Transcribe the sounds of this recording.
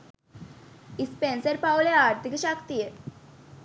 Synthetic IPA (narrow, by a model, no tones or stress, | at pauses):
ispensəɾpawuleaɾt̪ʰikəɕakt̪ije